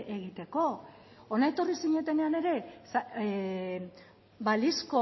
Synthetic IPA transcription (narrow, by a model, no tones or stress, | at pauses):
eɣit̪e̞ko̞onaet̪o̞risiɲe̞t̪e̞ne̞ane̞ɾe̞s | balisko